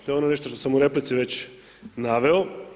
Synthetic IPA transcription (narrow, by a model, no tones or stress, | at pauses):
t̪oeonone̞ʃt̪oʃt̪osamuɾe̞plit̪siʋe̞t͡ɕ | naʋeo